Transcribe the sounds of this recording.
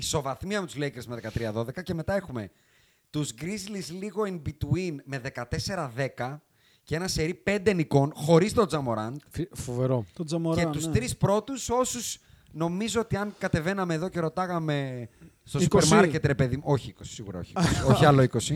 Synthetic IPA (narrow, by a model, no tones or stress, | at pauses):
iso̞vɐθmiɐmet̪uzlejkeɾzmeðe̞kɐt̪ɾiɐðo̞ðe̞kɐce̞me̞t̪ɐe̞xume̞ | t̪uzɡɾizlizliɣo̞inbit̪uinme̞ðe̞kɐt̪e̞se̞ɾɐðe̞kɐ | cee̞nɐse̞ɾipe̞nd̪eniko̞nxo̞ɾist̪o̞d͡zɐmo̞ɾɐnd̪ffoveɾozɐmɾeusst̪ɾispɾo̞t̪uso̞sus | no̞mizoot̪iɐŋkɐt̪e̞ve̞nɐmeːðo̞ce̞ɾo̞t̪ɐɣɐme̞ | st̪o̞ssupeɾsmɐɾce̞t̪ɾe̞peðimo̞çiiko̞si̥siɣuɾɐo̰çiosoçiɐloiko̞si